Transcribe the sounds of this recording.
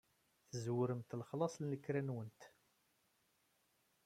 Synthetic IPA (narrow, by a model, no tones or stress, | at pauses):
θəzwʊɾəmt̪lχlɑsˤlnəkːɾænwənt̪